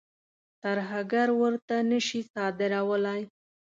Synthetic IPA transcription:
t̪aɾɦaɡaɾwəɾt̪anəʃisɑd̪ɪɾawəlaj

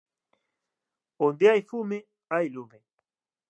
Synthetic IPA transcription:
ond̪eajfume | ajlume

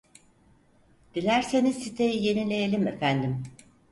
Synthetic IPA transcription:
d̪̥ilʲæɾsenizsit̪ʰejije̞nilʲe̞jelʲimḛfænd̪im

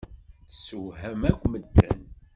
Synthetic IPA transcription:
θsəwɦæmækʷːməd̪ːæ̰n

